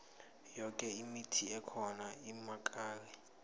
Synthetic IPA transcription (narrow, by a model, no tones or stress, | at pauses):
jɔkʼɛimitʰiɛkʰɔnaimakʼaːrɛ